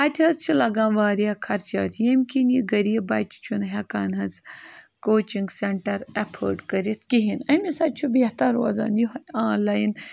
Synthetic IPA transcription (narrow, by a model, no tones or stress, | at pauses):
ɐt̪ʲʰɦɐzt͡ʃʰilɐɡãːnʋaːɾijakʰɐɾt͡ʃɐ̰ːt̪jemʲkʲinjiɡɐɾibɐːjt͡ʃʰi̥t͡ʃʰunɦekaːnɦɐzkoːt͡ʃiŋɡseɳʈɐɾɐpʰə̰ːɖkɐɾit̪kiɦinɐmisat͡ʃʰubʲeht̪ɐɾoɐza̰ːnjiɦɐãːnlaːjin